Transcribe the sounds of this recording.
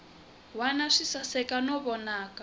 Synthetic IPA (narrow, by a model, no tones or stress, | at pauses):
wanaʂisasɛkanɔβɔnaːka